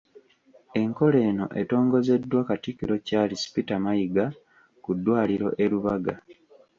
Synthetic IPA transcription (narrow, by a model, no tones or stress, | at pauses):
e̞ŋko̞le̞ːno̞̰ʔe̞̰to̞ːŋɡo̞ze̞dːwakatikiɾo̞caːlisi̥pitamajiɡa | kudːwaːliɾo̞̰ʔe̞ɾuβaɡa